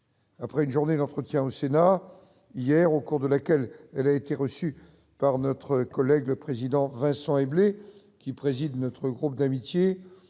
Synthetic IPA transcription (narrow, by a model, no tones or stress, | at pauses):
apχɛynʒuʁned̪ɑ̃t̪χət̪jɛ̃osena | ijɛʁokuʁd̪əlakʲɛlɛlaet̪eʁəsy | paʁnɔt̪χəkɔlɛɡləpχezid̪ɑ̃vɛ̃sɑ̃eble | kʲipχezid̪nɔt̪χəɡʁup̚d̪amit̪je